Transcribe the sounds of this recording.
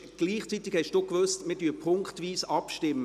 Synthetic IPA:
ɡ̥liːχt͡sit̪ɪkhɛʃd̥uːkʋøstmɪːd̥yːpʰʊŋktʋiːsɑpʃtɪmːə

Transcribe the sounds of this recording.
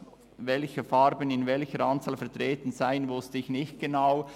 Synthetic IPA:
vɛlçəfɑɾbənɪnvɛlçəɾɑnt͡saɑːlfɛɐtʁeːtn̩zaɪənvʊstɪçnɪçt̚ɡ̥enaʊ

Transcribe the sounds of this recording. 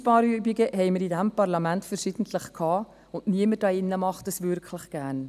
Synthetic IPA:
pɑːɾyəbiɡəɦɛɪməɾidæmpɑɾlɑmæntfəɾʃid̥n̩tʰləχkʰɑː | ʊntniəmədɑːɪnːəmɑχtəsʋʏɾkʰləχɡ̥æːn

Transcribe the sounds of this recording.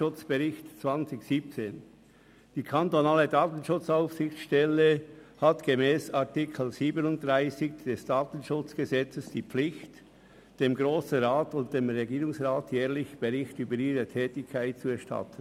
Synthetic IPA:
ʊt͡sb̥eʁɪçtt͡sv̥ɑnt͡sɪçsiːp̚t͡seːn | d̥iːkʰantonaːlədaːtn̩ʃʊt͡saʊfsɪçt͡sʃtɛləhatɡ̥emɛːsaʁtɪkʰl̩ziːbənʊnt̚dʁaɪsɪçd̥ɛsd̥aːtən̩ʃʊt͡sɡ̥əzɛt͡səsd̥iːpflɪçt | d̥eːmɡʁoːsn̩ʁaːtʊnt̚d̥eːmʁɛɡiːʁʊŋsʁaːtjɛːʁlɪçb̥eʁɪçtyːbəɾiːɾətʰɛːtɪkʰːaɪt̚t͡suɛɐʃtɑ̰tʰən

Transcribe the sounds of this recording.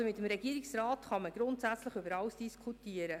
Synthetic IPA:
omɪt̪əmɾɛɡiəɾɪksrɑːtχɑməɡ̥ɾʊntsæt͡sləχʏbəɾɑwsd̥iskʰutiəɾə

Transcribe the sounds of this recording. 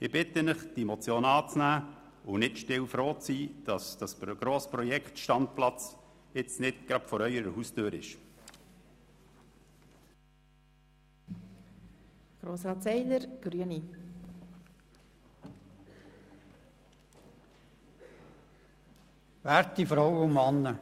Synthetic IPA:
ɪb̥ɪtənəχd̥imɔt͡sjoːnɑːt͡snæː | ʊnɪtʃtɪwfɾoːt͡siːd̥ɑsd̥ɑsɡ̥ɾoːspɾɔjɛkχtʃtɑnt̚plɑt͡s | ɪt͡snɪtɡ̥ɾɑpfɔɾœʏəɾəɦustøːɾɪ̰ʃ | ɡ̥ɾoːsɾɑːt̪sɛɪləɾɡ̥ɾyəni | ʋæːɾtifɾɔwʊmɑnːə

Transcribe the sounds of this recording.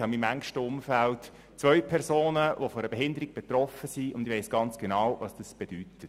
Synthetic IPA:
hɑmimæŋʃtəʊmfælt | t͡sʋœʏpʰɛɾsoːnəʋofɔɾəb̥eɦɪnd̪əɾiɡ̚b̥et̪rɔfəsiʊnd̥̪ɪʋeɪsɡ̥ɑnt͡sɡ̥enɑːwʋɑsd̥ɑsb̥ed̥ytət

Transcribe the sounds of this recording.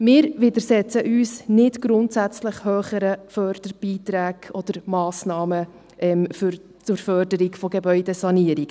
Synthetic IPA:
mɪːɾʋɪdəɾsɛt͡səʔyːsnɪtɡ̥ɾʊntsæt͡sləχhøːχəɾəfœrd̥əɾb̥iːtɾæːɡ̥ɔd̥əɾmɑːsnɑːmə | ʔɛmfʏɾ | t͡sʊɾfœrdəɾiɡfɔɡebœʏdɛsɑniəɾiɡ

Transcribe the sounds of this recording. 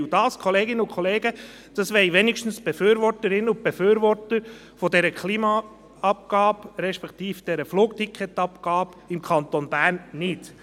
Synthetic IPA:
d̥ɑːskʰɔleːɡɪnəʊkʰχɔleːɡə | d̥ɑsʋɛɪʋɛnɪkʃtn̩sb̥efyːɾʋɔɾtəɾɪnəʊb̥efyːɾʋɔɾtəɾ | fɔdɛɾəkʰliːmɑ | ɑp̚ɡ̥ɑːbɾɛʃpɛkt̪iːfd̥ɛɾəfluːk̚tikʰχɛt̪ɑpɡ̥ɑːb | ɪmkʰɑnt̪onb̥æːɾnːɪt

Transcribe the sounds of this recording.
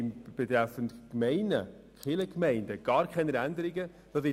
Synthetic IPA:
ɪmb̥et̪ɾɛfəntkmɛɪnə̰ | kχɪləkmɛɪndəɡ̥ɑːɾkʰχɛnəɾændəɾɪɡə | d̥ɑvɪ

